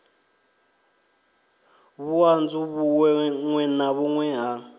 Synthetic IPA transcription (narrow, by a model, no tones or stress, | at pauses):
βuand͡zuβuɛŋwɛnaβuŋwɛɦa